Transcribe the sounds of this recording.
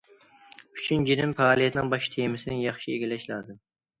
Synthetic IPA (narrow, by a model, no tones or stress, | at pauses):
yt͡ʃʰynd͡ʒiɾɪmpɑːlˠijɛt̪nɪŋbɑʃt̪ʰemɪsɪnɪŋjɑχʃieɡʲelɛʃlɑd̪ɪm